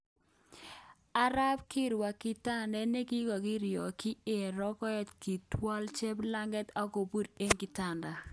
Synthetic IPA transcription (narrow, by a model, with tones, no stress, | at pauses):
a˦ɾa˦bkɪ˦ɾwa˨kɪ˦ta˦ndɛ˦ne˦kɪ˦kɔ˨kɪ˦ɾjɔ˨ki˦e˨ɾɔ˦kɔ˦ɛ˦tki˨twa˦lt͡ʃe˦bla˦ŋɡɛ˦ta˦ko˨bu˦ɾe˦ŋkɪ˨ta˨nda˨